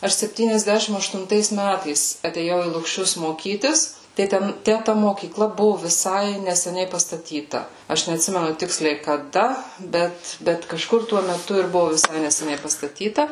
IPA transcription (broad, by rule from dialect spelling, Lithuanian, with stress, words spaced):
ˈɐʃ sʲɛpʲtʲiːnʲɛzʲˈdʲæʃʲɪm ɐʃtʊnˈtɐɪs ˈmʲætɐɪs ɐtʲeːˈjɛʊ iː lˠʊkˈʃʲʊs moːˈkʲiːtʲɪs tɐɪ ˈtʲɛn ˈtʲæ tɐ moːkʲiːˈklˠɐ ˈbʊʋʊ ʋʲɪˈsɐɪ nʲɛsʲɛˈnʲɛɪ pɐstɐˈtʲiːtɐ ˈɐʃ nʲɛɐtʲˈsʲɪmʲɛnʊ ˈtʲɪksʲlʲɛɪ kɐˈdɐ ˈbʲɛt ˈbʲɛt kɐˈʃkʊr tuɔ mʲɛˈtʊ ɪr ˈbʊʋʊ ʋʲɪˈsɐɪ nʲɛsʲɛˈnʲɛɪ pɐstɐˈtʲiːtɐ